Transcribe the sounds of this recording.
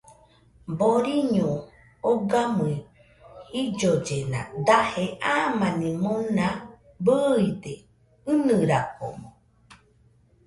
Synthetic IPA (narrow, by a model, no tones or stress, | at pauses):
boɾiɲũ | oɡamɨi | hid͡ʒod͡ʒenã̰d̪aheʔamanĩmõnã | bəid̪e | ɨnɨ̃ɾako̰mõ